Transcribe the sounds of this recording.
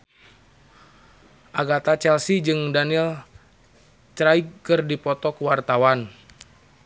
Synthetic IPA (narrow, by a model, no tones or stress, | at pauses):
ʔaɡat̪at͡ʃɛlsid͡ʒɨŋdanil | t͡ʃɾajɡkɨrdipɔt̪ɔkuwart̪awan